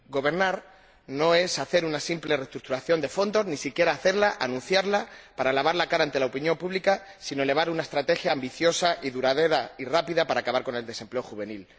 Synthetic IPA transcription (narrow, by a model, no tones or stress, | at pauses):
ɡo̞β̞e̞ɾnaɾ | no̞e̞saθe̞ɾunasimple̞re̞st̪ɾuk̚t̪uɾaθjo̞nd̪e̞fo̞nd̪o̞znisikje̞ɾaːθe̞ɾlaʔanũnθjaɾlapaɾalaβ̞aɾlakaɾant̪e̞laopinjõ̞mpuβlikasinole̞β̞aɾunae̞st̪ɾat̪e̞xjaːmbiθjo̞saʔiðuɾað̞e̞ɾairapiðapaɾaːkaβaɾko̞ne̞ld̪e̞se̞mple̞oxuβ̞e̞nil